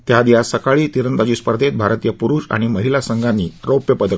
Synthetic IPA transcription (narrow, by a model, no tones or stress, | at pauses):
t̪jad̪ijasəkaɭiːt̪iɾənt̪at͡ɕiːspəɾd̪ʱet̪̚bʱaɾt̪iːjəpuɾuːɕa̰ɽ̃iməɦilasəŋɡanːiːɾopjəpəd̪ʱə